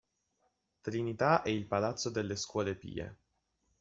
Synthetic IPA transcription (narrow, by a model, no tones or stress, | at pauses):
t̪ɾinit̪aʔɛilpalat̪sːod̪elːeskwɔːlepḭːḛ